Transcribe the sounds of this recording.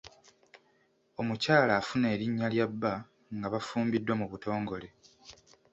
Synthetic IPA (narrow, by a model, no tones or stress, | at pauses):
o̞mucaːlaːfune̞ːɾiɲːaljabːa | ŋɡaβafuːmbidːwamuβuto̞ːŋɡo̞le̞